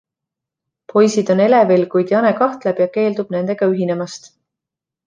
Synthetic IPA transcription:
pʰo̞jsid̪̥o̞ne̞le̞velkujd̪̥jɑnekɑht̪le̞b̥jɑke̞ːld̪ub̥ne̞nd̪e̞ɡ̥ɑyɦine̞mɑst̪

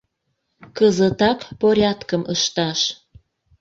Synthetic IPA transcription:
kəzət̪ɑkpoɾʲɑt̪kəmʔəʃt̪ɑʃ

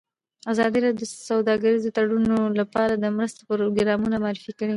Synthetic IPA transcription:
azɑd̪iɾɑd̪djəsawd̪ɑɡaɾizot̪aɽunolapɑɾad̪əmɾəst̪o̥pəɾoɡɾɑmunamaɑːɾɪfikəɽi

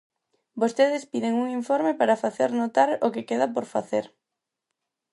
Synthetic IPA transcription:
bost̪eð̞ɪspiðeŋuŋiɱfoɾmepaɾɐfaθeɾnot̪aɾokɪkeðɐpoɾfaθeɾ

